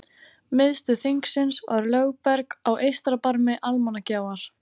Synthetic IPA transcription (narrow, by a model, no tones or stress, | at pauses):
mɪðst̪ʏθiŋksɪnsvaɾlœɣpɛɾkawʔejst̪ɾapaɾmɪʔalmanacaːwaɾ̥